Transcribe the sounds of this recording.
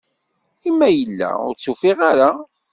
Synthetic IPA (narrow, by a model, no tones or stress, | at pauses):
imːæjəlːæ̰ʊ̰ɾt͡sːufiʁaɾa